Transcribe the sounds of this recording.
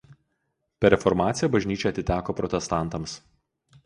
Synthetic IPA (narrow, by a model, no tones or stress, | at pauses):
pʲɛɾʲɛfɔɾmɑːt̪sʲɪjɛbɐʒʲnʲiːt͡ʃʲɛɐt̪ʲɪt̪ʲæːkoːpɾɔt̪ʲɛst̪ɑˑnˑt̪ɐms